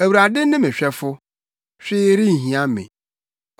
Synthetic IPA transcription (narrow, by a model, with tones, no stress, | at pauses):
æ˨wu˨ɾa˨dɪ˦nɪ̃˦mɪ̃˨ɕᶣɛ˦fʊ˦ | ɕᶣɪː˦ɾɪ˦˨ɦĩ˨ã˦mḛ̃˨